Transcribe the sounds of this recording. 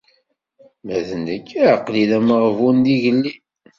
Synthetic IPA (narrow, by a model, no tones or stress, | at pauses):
mæðənəkːqlilæməʁvund̪iʝəlːi